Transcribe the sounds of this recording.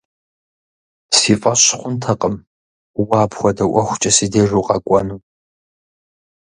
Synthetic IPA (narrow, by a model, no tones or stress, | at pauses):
siːfʼɐɕχʷʊntʰɐqʼəm | waːpχʷɔdɐwʔʷɔxʷʊt͡ʃʼɐsideːʒʷuːqʼɑkʷʼɔnuː